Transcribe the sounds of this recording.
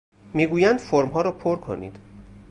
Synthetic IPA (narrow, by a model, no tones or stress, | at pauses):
miːɡuːjænd̪̥foɾmɦɒːɾɒːpʰoɾkʰo̰nḭːd̪̥